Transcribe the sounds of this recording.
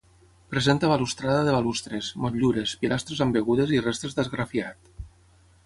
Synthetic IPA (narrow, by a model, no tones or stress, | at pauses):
pɾezent̪aβalust̪ɾaðaðeβalust̪ɾesmoʎuɾespilʔast̪ɾezambeɣuðezirest̪ɾezd̪ezɣɾafiat̪